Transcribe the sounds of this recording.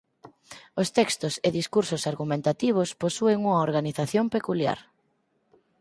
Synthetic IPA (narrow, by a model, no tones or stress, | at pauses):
ost̪ɛkst̪ʊseðiskuɾsʊsaɾɣumẽnt̪at̪iβ̞ʊsposueŋuŋɐoɾɣaniθaθjompekulja̰ɾ